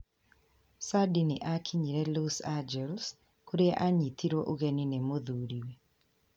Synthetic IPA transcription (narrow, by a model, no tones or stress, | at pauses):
sadiniʔakʰiɲiɾɛlusad͡ʒɛls | kuɾeʔaɲit̪ʰiɾoʔoɡeninɛmoðuɾiwe